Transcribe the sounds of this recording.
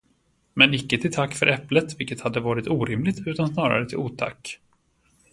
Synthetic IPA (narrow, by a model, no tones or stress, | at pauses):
mɛnɪkːət̪ʰɪlt̪ʰakːfœ̰ɾʔɛplət̪vɪlkːət̪had̪ːəvɑːɾɪt̪uːɾɪmlɪɡt̪ʰʉ̟ːt̪ansnɑːɾa̰ɾət̪ʰɪluːt̪ʰa̰kː